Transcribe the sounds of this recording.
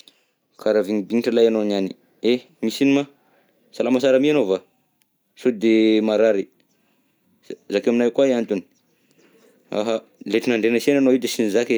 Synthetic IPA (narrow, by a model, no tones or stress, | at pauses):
kʰaɾaviŋibiniʈ͡ʂəlajanonani | e | misinima | salamasaɾəmianova | sod̪emaɾaɾi | zakaminajkwaiant̪uni̥ | a̰ɦa | let̪inaɳɖ͡ʐenəsenanoid̪esinizake